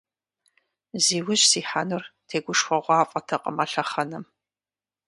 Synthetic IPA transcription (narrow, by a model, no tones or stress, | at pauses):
ziːwʊɕsiːħanʊrtʰeːɡʷʊʂxʷɔʁʷɑːfʼɐtʰɐqʼə̰mɐɬɐχɐnɨm